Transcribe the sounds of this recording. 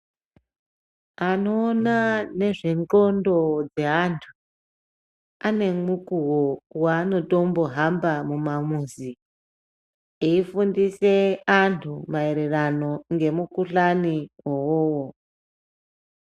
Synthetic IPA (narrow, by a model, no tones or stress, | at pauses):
ano̞ːnane̞ʐeŋo̞ndo̞d͡ze̞antʰu̥ | ane̞mukuwowaːno̞to̞mbo̞ɦambamumamuzi | eifundise̞antʰumae̞ɾe̞rano̞ŋɡe̞mukuɬaniwowowo